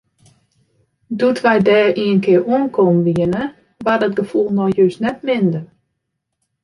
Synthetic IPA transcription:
dutʋɛjdɛːriənkʰɪəruənkʰomʋiənə | ʋadɔt̚ɡəfulˠnɔjjøsnɛtmɪndə

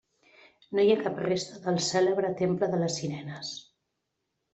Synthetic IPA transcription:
nojakaprest̪əðəlˠsɛləβɾət̪empləðələsːinɛnəs

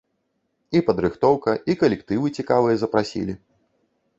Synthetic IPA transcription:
ipɐd̪ɾɨxt̪ɔwkɐʔikɐlʲɛkt̪ɨvɨt͡sʲikavɨjɐzɐpɾasʲḭlʲi

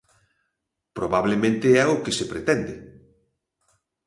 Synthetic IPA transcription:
pɾoβaβlemẽnt̪eɛokesepɾet̪ɛnd̪ɪ

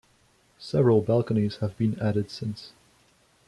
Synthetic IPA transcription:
sɛvəɹəlˠbælˠkəniz̥həvbĩnæɾɨd̥sɪ̃ns

